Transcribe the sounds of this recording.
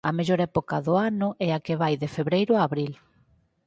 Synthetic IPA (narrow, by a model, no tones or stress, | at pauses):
ɐmeʎoɾɛpokɐðʊanʊʔɛakeβajðefeβɾejɾʊaːβɾil